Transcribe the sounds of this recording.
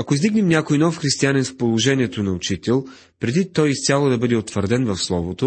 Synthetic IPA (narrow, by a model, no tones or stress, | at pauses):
ɐkoizd̪iɡnɛmnʲakojnɔfxɾist̪ianɛnfpolˠoʒɛnʲiɛt̪onɐot͡ʃit̪ɛlˠ | pɾɛd̪it̪ɔjist̪ʲalˠod̪ɐbɤd̪ɛot̪vəɾd̪ɛnvɐfslˠɔvot̪o